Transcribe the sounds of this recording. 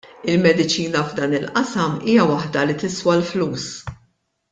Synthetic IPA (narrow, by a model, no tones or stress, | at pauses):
ɪlmɛd̪ɪt͡ʃiːnɐvd̪ɐːnɪlʔɐsɐmiːjɐwɐħd̪ɐlit̪ɪswɐlfluːs